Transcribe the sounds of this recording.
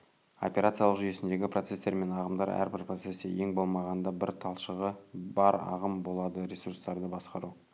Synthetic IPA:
o̞̰pʲe̞ɾat̪sijɑlˠəqʒʏje̞sɪnd̪e̞ɡʲɪprot̪se̞st̪e̞ɾme̞nɑʁəmd̪ɑɾæ̰ɾbɪɾpro̞t̪se̞sḛje̞ŋbo̞lˠmɑʁɑnd̪ɑbɪɾt̪ʰɑlˠʃəʁəbɑɾɑ̰ʁəmbo̞lˠɑd̪əɾʲesurst̪ɑɾd̪əbɑsqɑɾu

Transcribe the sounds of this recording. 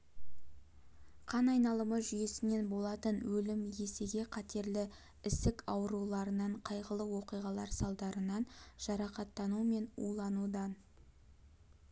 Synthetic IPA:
qʰɑnɑjnɑlˠəməʒʏje̞sɪne̞nbo̞lˠɑt̪ənwɵlɪmje̞se̞ɡʲe̞qʰɑt̪e̞ɾlɪ | ɪst̪ɪkɑwəɾulˠɑɾənɑɴqʰɑjʁəlˠəwoqijʁɑlˠɑɾsɑlˠd̪ɑɾənɑnʒ̥ɑɾɑqɑt̪ːɑnume̞nṵlˠɑnud̪ɑn

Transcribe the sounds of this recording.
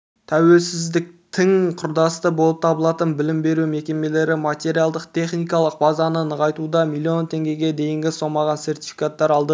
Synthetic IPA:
t̪ʰæwe̞lsɪzd̪ɪk̚t̪ʰɪŋqʰʊɾd̪ɑst̪əbo̞lˠəp̚t̪ʰɑbəlˠɑt̪ənbɪlɪmbe̞ɾume̞kʲe̞me̞le̞ɾɪmat̪ʲe̞ɾijalˠd̪əqt̪ʰe̞χnijkɑlˠəq̚bɑzɑnənəʁɑjt̪ud̪ɑmilˠːio̞nt̪ʰe̞ŋɡʲe̞ɡʲe̞d̪e̞jɪŋɡʲɪso̞mɑʁɑnse̞rt̪i̥jfi̥kat̪ːɑɾɑlˠd̪ə

